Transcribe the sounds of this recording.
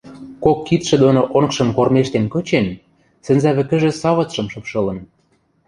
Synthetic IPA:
kokːit̪ʃĕd̪onoʔonkʃɤ̆nkormeʃt̪enkøt͡ɕen | sɘ̆nzæβɘ̆kə̆ʒĕsɑβɤ̆t̪ʃɤ̆mʃɤ̆pʃɤ̆lɤ̆n

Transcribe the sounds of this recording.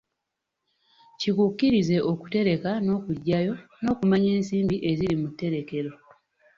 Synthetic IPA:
cikukːiɾize̞ʔo̞ku̥te̞ɾe̞kano̞ːkuɟːajo̞no̞ːkumaɲe̞ːnsiːmbiʔe̞ziɾimutːe̞ɾe̞ke̞ɾo̞

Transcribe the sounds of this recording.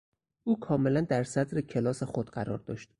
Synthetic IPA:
ʔuːkʰɒːmelænd̪æɾsæd̪ɾecʰelɒːsexod̪ɢæɾɒ̰ːɾd̪ɒ̰ːʃt̪

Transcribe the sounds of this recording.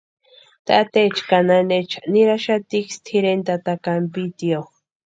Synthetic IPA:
t̪at̪et͡ʃkananet͡ʃḁniɾaʃat̪ikst̪ʰiɾent̪at̪akampit̪iox

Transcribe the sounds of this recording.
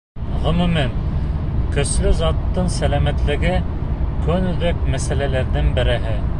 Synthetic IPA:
ʁɵ̆mʉmæn | kɵ̆slɵzɑt̪ːɤɴsælæmæt̪lɘ̆ɡɘkɵnɵ̆ðɘk̚mæsælælæɾðɘnbɘ̆ɾɘ̆ɦɘ

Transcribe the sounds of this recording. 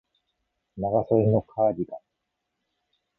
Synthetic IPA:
naɡasoino̞kʰaːɾʲiɡ̪a

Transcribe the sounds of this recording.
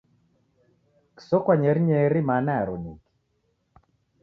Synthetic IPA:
ki̥sɔkwaɲɛɾiɲɛɾimanaaɾɔ̰niki̥

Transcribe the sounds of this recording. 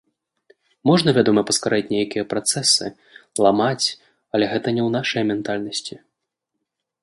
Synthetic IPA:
mɔʐnɐvʲad̪ɔmɐpɐskaɾait͡sʲnʲejakʲijɐpɾat̪sɛsɨ | lˠamat͡sʲ | ɐlʲɛɣɛt̪ɐnʲɛwnaʂɐjmʲɛnt̪alʲnɐsʲt͡sʲi

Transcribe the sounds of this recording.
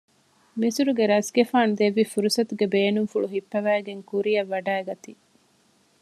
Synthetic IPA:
misuɾuɡeɾɐsɡefaːnud̪eʋːifuɾusɐt̪uɡebeːnuŋfuɭuɦipːɐʋæːɡeŋkuɾijɐʋːɐɖæːɡɐt̪i

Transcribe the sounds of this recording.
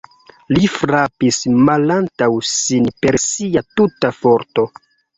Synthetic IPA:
lifɾapismalantawsinpe̞ɾsiatutafoɾto̞

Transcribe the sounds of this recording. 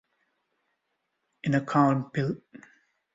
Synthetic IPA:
ɪ̃nəkʰãʊ̃npɪl

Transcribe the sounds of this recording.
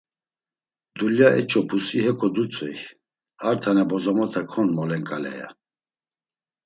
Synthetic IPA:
d̪uljaɛt͡ʃʼɔpʰusihɛkʰʼɔd̪ut͡sʼɛj | aɾt̪ʰanɛbɔzɔmɔt̪ʰɛkʰɔnmɔlɛŋkʼalɛ̰ja̰

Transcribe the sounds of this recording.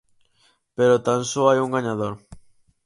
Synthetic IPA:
peɾot̪ansoajuŋɡaɲaðoɾ

